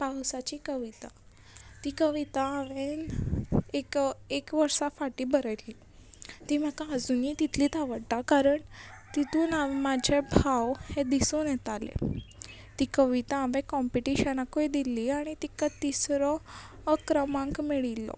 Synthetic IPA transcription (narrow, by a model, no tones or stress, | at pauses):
pawsat͡ɕikəʋit̪a | t̪iːkəʋit̪aːʋen | ekekʋəɾsafaʈiːbəɾəjli | t̪im̤akaəd͡zuniːt̪it̪ʰliːt̪aʋəɽt̪akaɾəɳt̪it̪uːnaʋmad͡ʑʱebʱawhed̪isunjɛt̪alḛ | t̪iːkəʋit̪aːʋẽkɔmpiʈiɕənakojd̪iliːaɽ̃it̪ikat̪isɾɔː | kɾəmãŋkmiɭilːɔ̰